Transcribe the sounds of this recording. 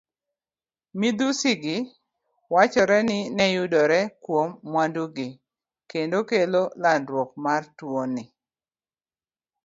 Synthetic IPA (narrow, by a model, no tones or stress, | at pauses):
mid̪usɪɡɪ | wat͡ʃɔɾɛnɪnɛjʊdɔɾɛkwomːwanduɡɪ | kendokelolandɾwɔk̚martwonɪ